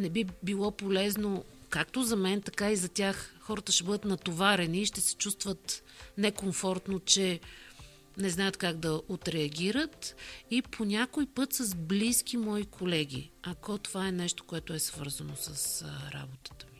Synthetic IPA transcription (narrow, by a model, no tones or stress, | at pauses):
nɛbibilˠɔpolɛznokakt̪ozɐmɛnt̪ɐkaizɐtʲaxxɔɾət̪əʃɛbɤd̪ət̪nɐt̪ovaɾɛniːʃt̪ɛsɛ̥t͡ʃust̪vət̪ | nɛkoɱfɔɾt̪not͡ʃɛ | nɛznaət̪kaɡd̪ɐot̪ɾɛɐɡʲiɾət̪ipʰonʲakoipɤt̪sɐzbliskʲimɔikʰolɛɡʲḭɐkɔt̪ovaɛnɛʃt̪o̥koɛt̪ʊɛsvɤɾzənosəsɾa̰bot̪ə̥t̪ə̥mi